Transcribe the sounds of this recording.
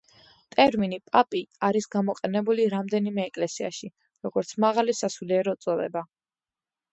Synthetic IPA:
t̪ʼɛɾminipʼapʼiaɾisɡamɔqʼɛnɛbuliɾamd̪ɛnimɛːkʼlɛsia̰ʃi | ɾɔɡɔɾt̪sʰmaʁalisasuliɛɾɔt̪sʼɔd̪ɛba

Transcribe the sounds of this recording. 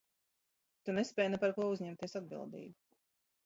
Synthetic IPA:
t̪unespɛːjnɛpaɾkuɔuzɲɛmt̪iɛsad̪̚bḭlˠd̪ḭːbu

